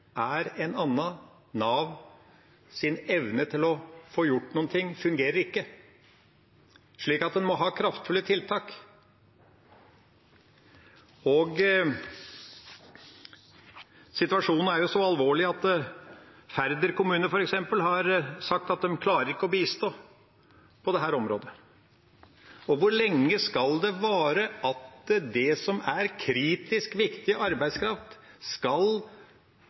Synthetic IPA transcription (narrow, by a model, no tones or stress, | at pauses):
æɾɛnɑnːɑ | nɑːʋ | sɪnɛʋnət̪ʰɪlɔfoːjʊʈːnuːnt̪ʰɪŋːfʉŋɡeːɾəɾɪkːə | ʂɭiːkɑt̪̚d̪ɛnmɔɦɑːkʰɾɑft̪fʉlːət̪ʰɪlt̪ʰɑːk | ɔɡ | sɪt̪ʉɑʂuːnn̩æɾjʊsɔɑlʋoːɭɪɑt̪ː | fæɾd̪əɾkʊmʉːnəɾfɔɾɛksɛmpəlɦɑɾsɑk̚t̪ɑt̪̚d̪ɛmkʰlɑːɾəɾɪkːəɔbiːst̪oː | pʰɔd̪ɛɦæːɾɔmɾo̰ːd̪ə | ɔʋʊɾɭɛŋːəskɑld̪ɛʋɑːɾəʔɑt̪d̪ɛsɔmæɾkʰɾiːt̪ɪskʋɪkt̪ɪəʔɑɾbæɪskʰɾɑft̪skɑl